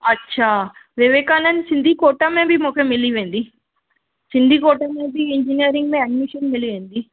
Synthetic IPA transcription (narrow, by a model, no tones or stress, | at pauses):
ɐtːt͡ʃʰaʋeʋeːkaːnɐnsind̪ʱikoːʈːaːmebimɔkɐmeliʋend̪i | sind̪ʱikoːʈːaːmeːbiiɲd͡ʒinijɐɾiŋɡmeɐɖmiʃɐnmeliʋend̪i